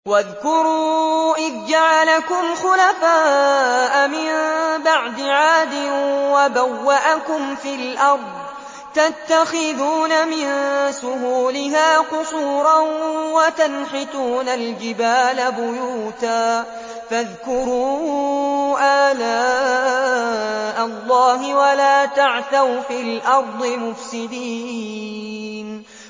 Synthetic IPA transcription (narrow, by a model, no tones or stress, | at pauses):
waðkʊɾuːʔɪðd͡ʒaʕalakʊmxʊlafaːʔamɪmbaʕd̪ɪʕaːd̪ɪwabawːaʔakʊmfilʔɑɾˤd̪ˤ | t̪at̪ːaxɪðuːnamɪnsʊɦuːlɪɦaːqʊsˤuːɾˤɑnwat̪anħɪt̪uːnald͡ʒɪbaːlabʊjuːt̪aː | faðkʊɾuː | ʔaːlaː | ʔɑlˤːɑːɦɪwalaːt̪aʕθawfiːlʔɑɾˤd̪ˤɨmʊfsɪd̪iː | n